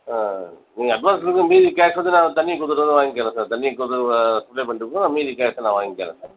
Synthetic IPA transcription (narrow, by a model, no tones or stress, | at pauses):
a | niːŋɡɐɐɖʋaːnsɐɾɯŋɡɯ̃miːðikaːsʋɐnd̪ɯnãːt̪ɐɳːikuːt̪ɯɾʋɐnd̪ɯʋaːŋɡɪkːeːɾɛ̃ːsaːɾt̪ɐnːikut̪ɯɾsɐplepɐɳɖɯkːnãːmiːðikaːsɐ̃nãːʋaːŋɡɪkːeːɾɛ̰̃saːɾ